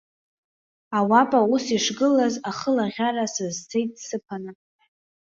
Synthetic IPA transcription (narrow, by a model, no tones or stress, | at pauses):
awapʼausiʂɡɨlazaχəlaʁʲaɾasɨzt͡sʰejtʼsɨpʰanɨ